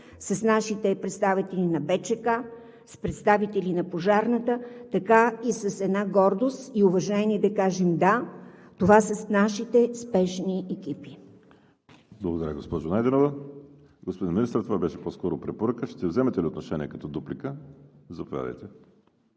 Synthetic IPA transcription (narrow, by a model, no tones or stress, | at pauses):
səsnaʃit̪ɛpɾɛt̪st̪avit̪ɛlʲinɐbɛt͡ʃɛka | spɾɛt̪st̪avit̪ɛlinɐpoʒaɾnət̪ət̪ɐkaisəsɛd̪naɡɔɾd̪ost̪iʊvɐʒɛniɛd̪ɐkaʒɛmd̪at̪ovasəsnaʃit̪ɛspɛʃniɛkipi | blˠəɡod̪ɐɾjəɡospɔʒonajd̪ɛnovə | ɡospod̪inminist̪ɾət̪ovabɛʃɛpɔskɔɾopɾɛpoɾəkəʃt̪ɛvzɛmɛt̪ɛliot̪noʃɛniɛkɐ̥t̪ɔd̪uplikəzɐpovʲja̰d̪ə̰jt̪ɛ